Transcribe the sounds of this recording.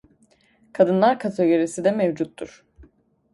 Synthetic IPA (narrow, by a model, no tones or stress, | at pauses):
kʰad̪ɯnlˠaɾkʰat̪ʰeɡʲeɾisid̪ɛmɛvd͡ʒut̪ʰːuɾ̥